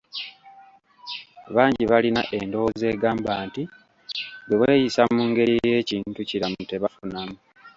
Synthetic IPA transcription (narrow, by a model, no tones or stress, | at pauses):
βaːɲɟiβalinaʔe̞ndo̞woze̞ːɡaːmbaːnti | ɡeβwe̞ːjisamuːŋɡe̞ɾije̞ːciːntuciɾamute̞βafunamu